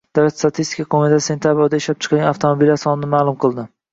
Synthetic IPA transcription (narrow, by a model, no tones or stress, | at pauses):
d̪̥aat̪st̪at̪ʰist̪ɪ̥kʰakʰomɪt̪ʰase̞nt̪ʰjabɾod̪aɪʃlap̚t͡ʃʰɨ̥qʰɑlɡʲanaft̪ʰomobilːaɾsɒnɪnɪmaːlˠʊmqʰɨlˠd̪ɪ